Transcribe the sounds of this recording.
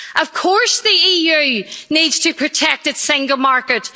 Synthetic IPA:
ʔəv̥kʰɔɹsðiijʉnidz̥tʰɨpʰɹ̥ɨtʰɛk̚tɨtsɪ̃ŋɡəl̩ˠmaɹkət

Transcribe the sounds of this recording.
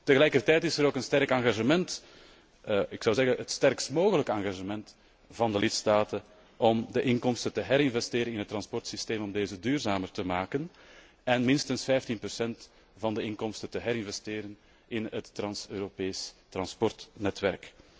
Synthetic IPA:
təɣəlɛjkərtɛjtɪsəɾoːkənstɛɾkɑŋɣaʒəmɛnt | əɪksɑwzɛɣənətstɛrkstmoːɣələkəɑŋɣaʒəmɛnt | vɑndəlɪtstaːtən | ʔɔmdəʔɪŋkɔmstəntəɦɛɾɪnvɛsteːɾənɪnɦət̪ːrɑnspɔrtsisteːmɔmdeːzədyːrzaːmərtəmaːkən | ɛnmɪnstənsfɛjftinprɔsɛnt | v̥ɑndəɪŋkɔmstətəɦɛɾɪnvɛsteːɾən | ɪnətːrɑnsøːɾopeːstrɑnspɔrtnɛtʋɛrk

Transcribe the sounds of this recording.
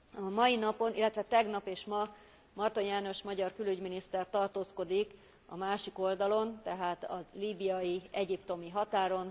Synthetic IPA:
ɒmɒjinɒpo̞nʔilːɛt̪ʋɛt̪ɛɡnɒpeːʃmɒ | mɒrt̪o̞njaːno̞ʃmɒɟɒrkylyɟminist̪ɛrt̪ɒrt̪oːsko̞d̪ik | ɒ̰maːʃiko̞ld̪ɒlo̞nt̪ɛɦaːt̪ɒliːbijɒjiɛɟipt̪o̞miɦɒt̪aːɾo̞n

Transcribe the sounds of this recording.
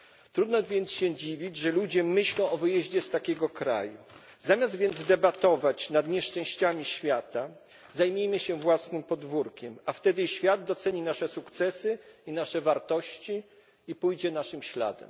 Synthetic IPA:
t̪ɾud̪nɔvʲjɛnt̪sɕɛd͡ʑivʲid͡ʑʐɛlud͡ʑɛmɘɕlɔ̃w̃ʔɔvɘjɛʑd͡ʑɛst̪akʲɛɡɔkɾa̰ju | zamʲjazd̪vʲjɛnd̪zd̪ɛbat̪ɔvat͡ɕnad̪ɲɛʂt͡ʂɛ̃w̃ɕt͡ɕamʲiɕfʲjat̪a | zajmʲejmɘɕɛvwasnɘmpɔd̪vuɾkʲɛmaft̪ɛd̪ɘɕfʲjad̪̚d̪ɔt̪sɛɲinaʂɛsukt̪sɛsɘinaʂɛvaɾt̪ɔɕt͡ɕi | ipujd͡ʑɛnaʂɘmɕla̰d̪ɛ̰m

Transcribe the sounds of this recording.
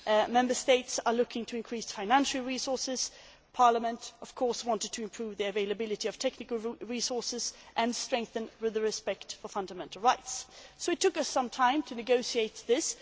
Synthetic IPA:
mɛ̃mbə˞steɪtsə˞lʊkɪ̃ŋtʰɨɨ̃nkʰɹ̥isfãɪ̃næ̃nʃl̩ˠɹisɔɹsɪz̥ | pʰɑɹləmə̃ntʔʌv̥kʰɔɹswɑ̃ntɨd̚tʰɨɨ̃mpʰɹ̥ʉvðiɨveɪləbɪlˠɨɾiʌv̥tʰɛknɨkl̩ˠɹisɔɹsɨzʔɨ̃nstɹ̥ɛ̃ŋk̚θɨ̃nwɪðəɹɨspɛktfə˞fʌ̃ndəmɛ̃ntʰˡl̩ˠɹaɪtssoʊɨtʰːʊkʌsʌ̃mtʰãɪ̃mtʰɨnɨɡoʊsieɪt̪̚ðɪs

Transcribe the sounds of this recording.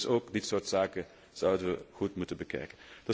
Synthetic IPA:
soːkdɪtsoːɹtsaːkə | z̥ɑwdənʋəɣutmutənbəkɛ̰jkənd̥ɑ

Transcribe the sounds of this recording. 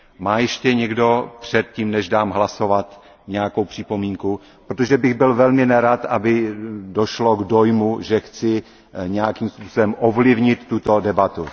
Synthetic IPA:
maːjɛʃcɛɲɛɡdo̞pr̥ɛt̪̚ciːmnɛʒdaːmɦlaso̞vat̪ | ɲɛjako̞wpr̥ɪpo̞miːŋku | pɾot̪oʒɛbɪɣbɪlvɛlmɪnɛɾat̪ʔabɪdo̞ʃlo̞ɡdo̞jmuʒɛxt͡sɪ | ɲɛjakiːmspuːso̞bɛmʔovlɪvɲɪt̪ːut̪o̞dɛbat̪u

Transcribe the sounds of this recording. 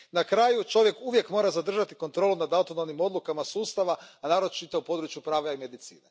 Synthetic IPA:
nakɾaːjut͡ʃo̞ʋje̞kuʋje̞kmo̞ːɾazad̪r̩ʒat̪iko̞nt̪ɾo̞ːlunad̪awt̪onomnimo̞d̪lukamasuːst̪aʋaanaːɾo̞t͡ʃit̪oupo̞ːd̪ɾut͡ʃjupɾaːʋaime̞d̪it̪sḭːne

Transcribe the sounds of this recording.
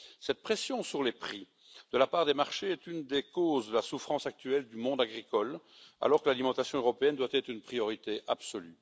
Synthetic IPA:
sɛt̪̚pχesjɔ̃syʁlepχi | d̪̥əlapaːʁd̪emaʁʃeɛt̪ynd̪ekoːzd̪əlasufχɑ̃sak̚t̪yɛld̪ymɔ̃d̪aɡʁikɔl | a̰lɔʁkəlalimɑ̃t̪asjɔ̃øʁɔpeɛnd̪wat̪ɛt̪χynpχijɔʁit̪eʔa̰bsɔly

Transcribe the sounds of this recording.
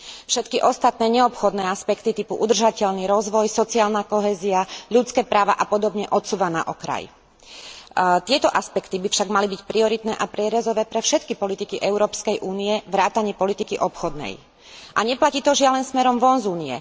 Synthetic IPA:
fʃɛt̪kiʔɔst̪at̪nɛːɲɛɔpxɔd̪nɛːaspɛkt̪it̪ipuʔud̪r̩ʒacɛʎniɾɔzʋɔjsɔt͡siaːlnakɔɦɛːziaʎutt͡skɛːpɾaːʋa̰ʔapɔd̪ɔbɲɛʔɔt̪suːʋana̰ʔɔkɾa̰j | t̪ɪɛt̪ɔʔaspɛkt̪ibifʃaɡmalibicpɾiɔɾit̪nɛːʔapɾɪɛɾɛzɔʋɛːpɾɛfʃɛt̪kipɔlit̪ikiʔɛʊɾɔːpskɛjʔuːniɛʋɾaːt̪aɲɪɛpɔlit̪ikiʔɔpxɔd̪nɛ̰j | ʔaɲɛplaciːt̪ɔʒɪalɛnsmɛɾɔmʋɔnzuːniɛ̰

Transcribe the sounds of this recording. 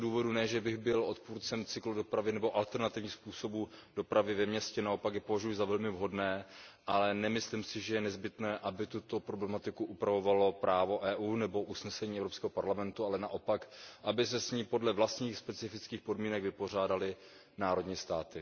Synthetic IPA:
duːvo̞dunɛʒɛbɪɣbɪlʔo̞t̪puːɾt͡sɛmt͡sɪkludo̞pɾavɪnɛbo̞ʔalt̪ɛɾnat̪ɪvɲiːxspuːso̞buːd̥o̞pɾʔavɪvɛmɲɛscɛnao̞pakjɛpo̞vaʒujɪzavɛlmɪvɦo̞dnɛːʔalɛnɛmɪslimsɪʒɛjɛnɛzbɪt̪nɛːʔabɪt̪ut̪o̞pɾoblɛmat̪ɪkuʔupɾavo̞valo̞pɾʔaːvo̞ʔɛːʔuːnɛbo̞ʔusnɛsɛɲiːɛvɾo̞pskɛːɦopaɾlamɛnt̪ualɛnaʔo̞pakʔabɪsɛsɲiːpo̞dlɛvlast̪ɲiːxspɛt͡sɪfɪt͡skiːxpo̞dmiːnɛɡvɪpo̞r̝aːdalɪ | naːɾo̞dɲiːst̪aːt̪ɪ

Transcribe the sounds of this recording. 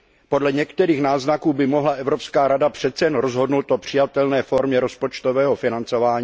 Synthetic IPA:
po̞dlɛɲɛkt̪ɛɾiːxnaːznakuːbɪmoɦlaʔɛvɾo̞pskaːɾadapr̝̥ɛt̪t͡sɛjɛnɾozɦo̞dnowt̪opr̝̥ɪjat̪ɛlnɛːfo̞ɾmɲɛɾo̞spo̞t͡ʃt̪o̞vɛːɦofɪnant͡so̞vaːɲiː

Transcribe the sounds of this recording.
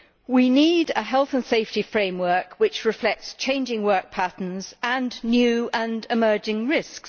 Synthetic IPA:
winidəɦɛlˠθə̃nseɪftifɹẽɪ̃mwɜˑ˞kʰwɪt͡ʃɹɪflɛk̚tst͡ʃʰẽɪ̃nd͡ʒɪ̃ŋwɜˑ˞k̚pʰæʔn̩z̥ə̃nːjʉə̃nɪmɜːd͡ʒɪ̃ŋɹɪsks

